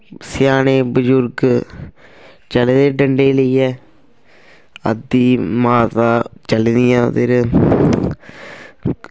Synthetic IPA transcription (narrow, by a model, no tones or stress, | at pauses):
sjaːneːbʊd͡ʒʊɾɡ | t͡ʃɐled̪eːɖəɳɖeːləiɛː | ə̰d̪iːmaːt̪aːt͡ʃəlɪnijãːt̪eɾ